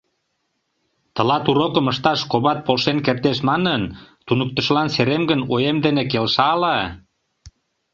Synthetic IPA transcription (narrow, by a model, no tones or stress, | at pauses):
t̪ə̆lɑt̪uɾokəməʃt̪ɑʃkoβɑt̪̚polʃenkert̪eʃmɑnənt̪unək̚t̪ə̆ʃlɑnseɾemɡənojemd̪enekelʃɑlɑ